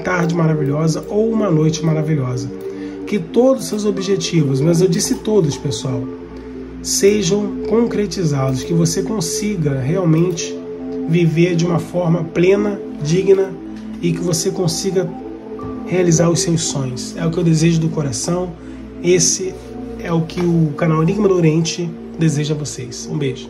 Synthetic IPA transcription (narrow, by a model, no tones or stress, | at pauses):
t̪aɾd͡ʒɪmaɾaviʎɔzɐʔowũmɐnojt͡ʃɪmaɾaviʎɔzɐkɪt̪od̪ʊssewzobiʒet͡ʃivʊs̬mɐzewd͡ʒisɪt̪od̪ʊspesuaw | seʒɐ̃w̃kõkɾet͡ʃizad̪ʊskɪvosekõsiɡɐɦeawmẽnt͡ʃɪ̥ | viveɾd͡ʒɪũmɐfɔɾmɐplẽnɐ | d͡ʒiɡinɐ | ɪkɪvosekõsiɡɐ | healizaɾʊssewssõj̃sɛʊkɪewd̪ezeʒʊd̪ʊkoɾasɐ̃w̃ | esɪ | ɛʊkʰɪʊkanawniɡimɐd̪oɾẽnt͡ʃɪ | d̪ezeʒɐɐvosesũbeʒʊ